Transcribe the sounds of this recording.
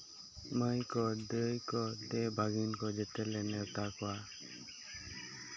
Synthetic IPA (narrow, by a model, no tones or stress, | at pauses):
məjkɔdəjkɔd̪ɛbʱaɡinkɔd͡ʒɛt̪ɛlɛnɛt̪akɔwa